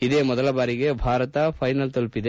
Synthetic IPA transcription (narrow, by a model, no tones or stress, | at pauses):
id̪eːmɔd̪ɐlɐbaːɾiɡe̞bʱaːɾɐt̪ɐpʰɐjnɐlt̪olpid̪e